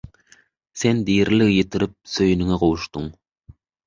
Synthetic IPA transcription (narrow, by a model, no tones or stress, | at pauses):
send̪ijɾlɪɡjet̪ʰɪɾɪp̚søjnɪŋæqowʃt̪ʊŋ